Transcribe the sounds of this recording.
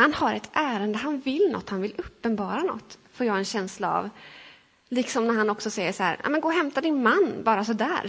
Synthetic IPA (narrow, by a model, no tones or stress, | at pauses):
hanhaɾɛt̪ʰʔæːɾənd̪əɦanvɪlnɔ̰t̪ːhanvɪlɵpːənbɑːɾanɔ̰t̪ːfoːɾjɑːɡɛnɕɛnslaa̰v | liksɔmnæɾhanɔksɔsɛjːəʂæ̰ːɾa̰mɛnɡoːɦɛmt̪ad̪ɪnmanːbɑːɾasɔd̪æːɾ